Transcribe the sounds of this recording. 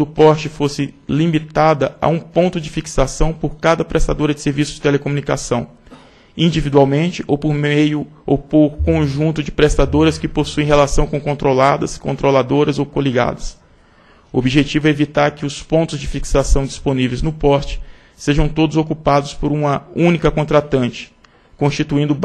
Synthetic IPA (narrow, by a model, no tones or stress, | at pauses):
d̪ʊpɔɾt͡ʃɪfosɪlimit̪ad̪ɐa̰ũpõnt̪ʊd͡ʒɪfiksasɐ̃w̃poɾkad̪ɐpɾest̪ad̪oɾɐd͡ʒɪseɾvisʊzd͡ʒɪt̪elekomũnikasɐ̃w̃ | ĩd͡ʒivid̪uawmẽt͡ʃɪʔowpoɾmejʊ | owpoɾkõʒũnt̪ʊd͡ʒɪpɾest̪ad̪oɾɐskɪposuẽɦelasɐ̃w̃kõkõnt̪ɾolad̪ɐskõnt̪ɾolad̪oɾɐzowkoliɡa̰d̪ɐs | uobiʒet͡ʃivʊɛevit̪aɾkɪʊspõnt̪ʊzd͡ʒɪfiksasɐ̃w̃d͡ʒisponivejznʊpɔɾt͡ʃɪ̥ | seʒɐ̃w̃t̪od̪ʊzokupad̪ʊspoɾũmɐũnikɐkõnt̪ɾat̪ɐ̃nt͡ʃɪ̥ | kõst͡ʃit̪uĩnd̪ʊ